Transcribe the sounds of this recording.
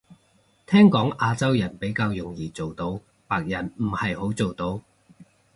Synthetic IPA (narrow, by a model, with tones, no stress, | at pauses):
t̪ʰɛː˥ŋkɔː˨˥ŋʔaː˧t͡sɐ˥wjɐ˨˩npe˨˥jkaː˧wjʊ˨˩ŋjiː˨˩t͡so˨wt̪o˧w | paː˧k̚jɐ˨˩nm̩˨˩hɐ˨jho˨˥wt͡so˨wt̪o˧w